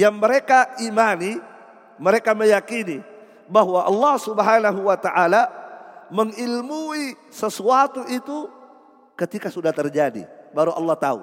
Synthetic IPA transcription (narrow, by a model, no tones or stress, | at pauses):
jaŋməɾekaʔimani | məɾekaməjakini | baɦwaʔɑlːɑhsubəɦanaɦuwat̪aʔalaməŋilmui | səsuat̪uʔit̪u | kət̪ikasudaht̪ərd͡ʒadḭbaɾuʔɑ̰lːɑht̪aṵ